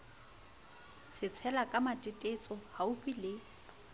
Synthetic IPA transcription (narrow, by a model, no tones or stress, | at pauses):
sɪt͡sʰɛlakʼamatʼɪtʼet͡sʼɔhaʊfilɪ